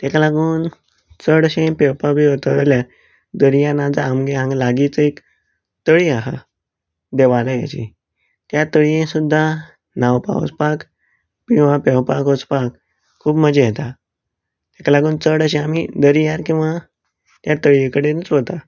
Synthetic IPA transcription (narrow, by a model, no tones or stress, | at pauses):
t̪ekalaɡuːn | t͡səɽəɕẽpewpabiɦot̪əɾlja | d̪əɾijãnad͡zaːmɡeɦãŋɡlaɡit͡səek | t̪əɭiaɦa̰ | d̪eʋalaja̰t͡ɕḭ | t̪jat̪əɭijẽsud̪ʱːa | nawpa̰o̰t͡spak | kĩw̃ʋapewpakot͡spakʰː | uːbməd͡ʑejet̪a | t̪ekalaɡuːnt͡səɽəɕẽamid̪əɾijaɾkĩw̃ʋa | t̪jat̪əɭiẽkəɽenət͡sɦot̪a